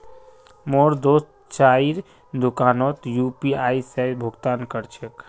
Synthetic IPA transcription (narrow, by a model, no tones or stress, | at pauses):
moːɾd̪oːst̪ | t͡ʃaːiɾ | d̪ukaːnɔːt̪jupiaːisɛbʱʊɡt̪aːnkəɾt͡ʃʰək